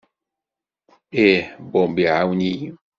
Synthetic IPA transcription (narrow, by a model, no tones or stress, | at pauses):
ebɔmbiauɲi